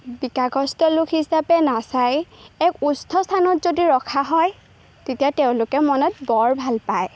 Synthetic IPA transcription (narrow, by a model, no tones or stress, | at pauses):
bikaɡʱɔstɔlʊkʰisapɛnasajɛkustʰɔstʰanɔtzodiɹɔkʰaɦɔj | tetiateʊ̃lʊkɛmɔnɔt̚bɔɹbʱalpaj